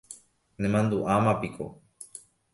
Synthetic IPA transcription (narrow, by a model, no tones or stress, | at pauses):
nẽmãnd̪uʔamãpiko̰